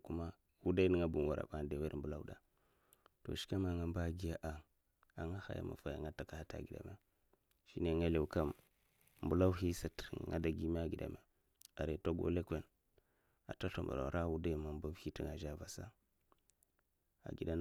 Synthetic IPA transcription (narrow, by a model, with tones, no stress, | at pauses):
ku˦ma˦ | wu˦da˦i˦ni˨ŋa˦bu˨n˨wa˨ɾa̰˨ɓa˨de˨we˦ɾmbu˨la˦wɗa˨ | to̰˨ʃi̥˦ka˦ma˨ŋa˦mba˦˨ɡi˦ja˦ʔa˨ | a˨ŋa˦ha̰˨ja̰˦ma̰˨fa˨ja̰˨ŋa˦ta˨ka˨ha˦ta̰˨ɡi˨da̰˨me˦ | ʃi˦ne˨ŋa˦le˨u˨ka˦m | mbu˨la˦wu˦hi˦sa˦tŋa̰˦da˨ɡi˦me˦a˨ɡi˨da̰˨me˨ | a˨ɾe˨to˦ɡo̰˦le˦kʷe˦n | a̰˨ta˦ɬo˨mba̰˨ɾo̰˨ɾa˦wu˦da˦i˦ma˨mba˦vhi˦ti˦˨ŋa˨ʒa˦va˨sa˦ | a̰˨ɡi˨da˦n